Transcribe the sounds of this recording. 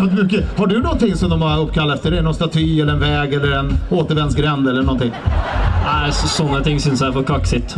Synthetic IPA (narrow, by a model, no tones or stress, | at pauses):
at̪mʏkːəhaɖɵnɔnt̪ɪŋːsɔmd̪ɔmhaɾɵpːkʰalːat̪ɛft̪əɖɛɳɔnst̪at̪ʰyːɛlːəɾɛnvɛːɡɛlːəɾɛnoːt̪əɾvɛnsɡɾɛnd̪ɛlːəɳɔnt̪ʰɪŋː | æɪssɔnːat̪ʰɪŋːsʏnsæfɔɾkʰaksɪt̪